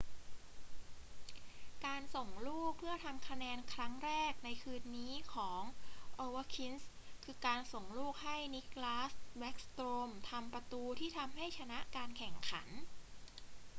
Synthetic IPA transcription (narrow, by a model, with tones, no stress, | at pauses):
kaː˧nso˨˩ŋluː˥˩k̚pʰɯ˥˩ɐt̪ʰa˧mkʰa˧nɛː˧nkʰɾa˦˥ŋɾɛː˥˩k̚na˧jkʰɯː˧nːiː˦˥kʰɔː˩˦ŋʔoː˧wa˦˥kʰi˦˥ns | kʰɯː˧kaː˧nso˨˩ŋluː˥˩k̚ha˥˩jni˦˥k̚laː˦˥swɛ˦˥k̚st̪ɾoː˧mt̪ʰa˧mpɾa˧t̪uː˧t̪ʰiː˥˩t̪ʰa˧mɦa˥˩jt͡ɕʰa˧na˦˥ʔkaː˧nkʰɛ˨˩ŋkʰa˩˦n